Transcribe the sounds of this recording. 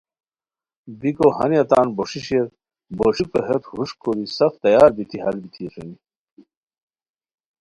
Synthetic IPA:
bikohɐniɐt̪aːnboʂiɕeɾ | boʂipɐɦet̪huʂkoɾisɐft̪ɐjaːɾbit̪ʰiɦɐlbit̪ʰieʂɐni

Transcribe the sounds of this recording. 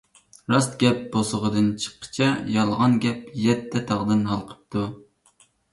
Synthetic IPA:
ɾɑst̪ɡʲɛp̚b̥osəʁəd̪ɨnt͡ʃʰə̥qʰːə̥t͡ʃʰɛjɑlˠʁɑnɡʲɛpjɛt̪ʰːɛt̪ʰɑʁd̪ɨnɑlˠqʰə̥p̚t̪ʰu

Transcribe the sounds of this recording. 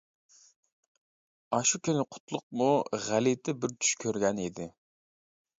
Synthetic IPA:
ɑʃukʲynɪqʰʊ̥t̪lˠʊq̚muʁælit̪ʰɪbɪɾt̪ʰy̥ʃkʲʰøɾɡʲɛnid̪ɪ

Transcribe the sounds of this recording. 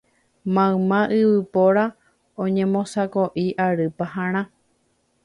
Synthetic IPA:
mãɨ̃mãʔɨβɨpoɾa | õɲẽ̞mõsakoʔiʔaɾɨpaɦãɾ̃ã

